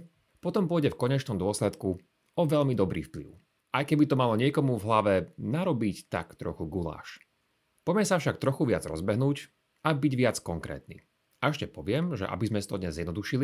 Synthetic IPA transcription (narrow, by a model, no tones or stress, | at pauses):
pɔt̪ɔmpʊɔjɟɛfkɔɲɛt͡ʃnɔmd̪ʊɔslɛt̪ku | ɔʋɛʎmid̪ɔbɾḭːfplḭʊ | ajkɛbit̪ɔmalɔɲɪɛkɔmuvɦlaʋɛnaɾɔbict̪a̰kt̪ɾɔxuɡula̰ːʃ | pɔmɛsafʃak̚t̪ɾɔxuʋɪad͡zɾɔ̰zbɛɦnuːc | abiɟʋɪat͡skɔŋkɾɛ̰ːt̪nḭː | aɛʃcɛpɔʋɪɛmʒɛ̰ʔa̰bizmɛst̪ɔd̪ɲɛzːjɛd̪nɔd̪uʃili